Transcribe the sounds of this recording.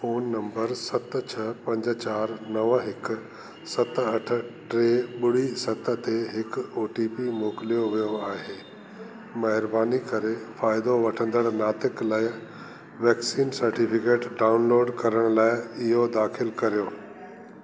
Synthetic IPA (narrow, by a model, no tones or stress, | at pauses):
foːnːɐ̃mbəɾsɐt̪t͡ɕʰɐpɐ̃ɲd͡ʑt͡ɕaːɾnɐʋɦɪkʊ̆ | sɐt̪ɐʈʰə̆ʈɾeːɓʊɽ̤isɐt̪ə̆t̪eɦɪkoːʈiːpimoːkɪlijoʋijoaːɦeː | mɐɦɪɾbaːnikɐɾefaːɪd̪oʋɐʈʰə̃nd̪əɽnaːt̪ɪklaːɪ | ʋɛːksiːnsɐɾʈipɪkeːʈɖaːʊnloːɖkɐɾəɽ̃laːɪɪɦod̪aːxʰɪlkɐɾijoː